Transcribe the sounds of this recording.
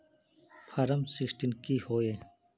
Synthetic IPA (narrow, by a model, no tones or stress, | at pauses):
pʰɐɾɐmsiksʈinkihoːe